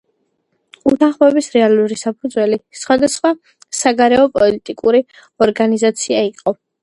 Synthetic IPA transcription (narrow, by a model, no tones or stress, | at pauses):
ut̪ʰaχmɛbisɾɛalˠuɾisapʰud̪zwɛlisχwad̪asχwa | saɡaɾɛɔpʼɔlit̪ʼikʼuɾi | ɔɾɡanizat̪sʰiaiqʼɔ